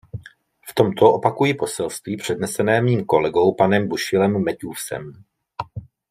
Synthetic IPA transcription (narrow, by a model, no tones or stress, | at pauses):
ft̪o̞mt̪ʰo̞ʔo̞pakujɪpo̞sɛlst̪viːpr̝̥ɛdnɛsɛnɛːmiːmko̞lɛɡo̞wpanɛmbuʃɪlɛmːɛcuːsɛ̰m